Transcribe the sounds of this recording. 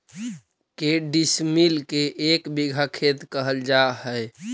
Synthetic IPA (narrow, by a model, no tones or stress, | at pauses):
keɖismilkeʔekbiɡʱakʰet̪kəɦəld͡ʒahəj